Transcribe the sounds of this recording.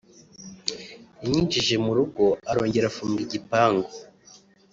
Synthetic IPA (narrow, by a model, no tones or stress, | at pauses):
iɲiːnd͡ʒiʒe̞muɾuɡo̞aɾo̞ːɲɟe̞ɾafuːmɡiɟipaːŋɡo